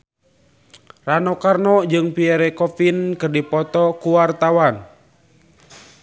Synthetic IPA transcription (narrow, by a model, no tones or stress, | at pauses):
ranɔkarnɔd͡ʒɨŋpiɛɾɛkɔfinkɨrdipɔt̪ɔkuwart̪awan